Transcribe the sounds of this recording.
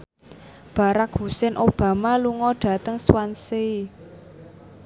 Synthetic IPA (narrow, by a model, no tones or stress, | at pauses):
b̥a̤ɾakɦusɛnʔob̥a̤maluŋɔɖ̥ä̤t̪əŋswansei